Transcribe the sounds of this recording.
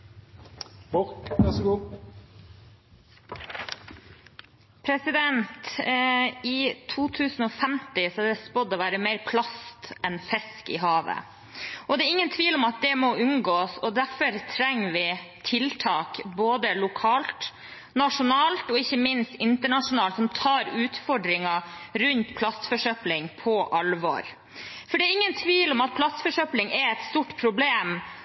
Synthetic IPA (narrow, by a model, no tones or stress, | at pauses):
bɔkɛsɡuː | pʰɾɛsɪd̪ɛnt̪ | iːt̪ʰuːt̪ʰʉːsn̩ɔːfɛmt̪ɪsɔɑd̪ɛspɔd̪ɔʋæːɾəmɛɪɾpʰlɑst̪ɛnfɛskɪ̰ɦɑːʋə̰ | ʔɔd̪ɛːɾɪŋːənt̪ʰʋiːlɔmɑt̪̚d̪ɛmɔʉŋɡoːsɔd̪æfɔɾt̪ʰɾɛŋːʋɪt̪ʰɪlt̪ʰɑːkboːd̪əlʊkʰɑːlt̪ | nɑʂʊnɑːlt̪ɔɪçːəmɪnst̪ɪnt̪əɳɑʂʊnɑːlt̪sɔmt̪ʰɑːɾʉːt̪fɔɖɾɪŋɑɾʉnt̪pʰlɑst̪fɔʂœplɪŋpʰɔʔɑlʋɔ̰ɾ | fɔɖɛæɾɪŋːənt̪ʰʋiːlɔmɑt̪̚pʰlɑst̪fɔʂœplɪŋɛɛt̪st̪uːʈpʰɾʊbleːm